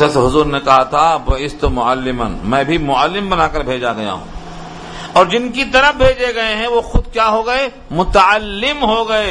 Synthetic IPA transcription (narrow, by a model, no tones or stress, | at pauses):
sɐsɦʊzuːɾnekɐɦat̪ʰabɐɪst̪omʊəlːɪmənmɛ̃ːbʱimʊəlːɪmbɐnaːkɐɾbʱeːd͡ʒaɡɐja̰ɦṵ̃ː | ɔːɾd͡ʒɪnkit̪ɐɾəfbʱeːd͡ʒeɡɐeɦɛ̃ʋoxʊd̪kjaːɦoɡɐe | mʊt̪əəlːɪmɦoɡɐeː